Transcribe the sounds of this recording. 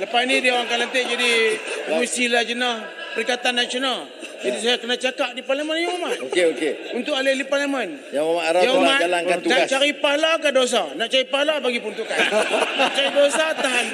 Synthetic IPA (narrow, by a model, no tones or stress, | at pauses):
lapasnidiawaŋkalant̪eʔd͡ʒadimusilad͡ʒənəh | pəɾikat̪anːasional | d͡ʒadis̬ajakənat͡ʃakap̚diparlamənjamaʔokeokeunt̪ʊʔkaleliparlamənjaamaaɾajamaalaŋkat̪unaat͡ʃaɾipahlakados̬anaʔt͡ʃaɾipahlabaɡipunt̪ʊʔkaa̰naʔt͡ʃaɾidosat̪aɦan